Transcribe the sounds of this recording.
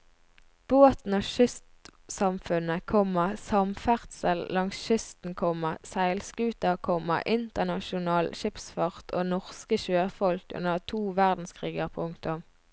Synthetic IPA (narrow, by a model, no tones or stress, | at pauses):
b̥oːt̪n̩oːʃʏst̪sɑmfʉnəkʰɔməʁsɑmfæʁt̪səllɑŋsʃʏst̪n̩kʰɔməʁsæɪlskʉːt̪ɑkʰɔmə̰ʔɪnt̪ənɑʃʊnɑːlʃɪpsfɑʁt̪ʰo̰ːnɔʁskəʃøːfɔlkʉ̰nəʁt̪ʰuːʋæʁd̪n̩skʰʁiːɡəʁpʰʊŋt̪ʊm